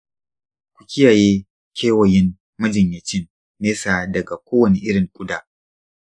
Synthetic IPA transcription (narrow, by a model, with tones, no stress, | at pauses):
kʷʊ̥˨kʲɪ˦jaː˨jeː˦ | kʰʲeː˦wɐ˨jɪ˦m | mɐ˦d͡ʒɪ˨ɲjɐ˨t͡ʃɪ˦nː | eː˦saː˨dɐ˨ɡa˨kʷoː˦wɐ˨ni˦ʔɪ˦ɽɪ˨ŋkʷʼʊ˦daː˨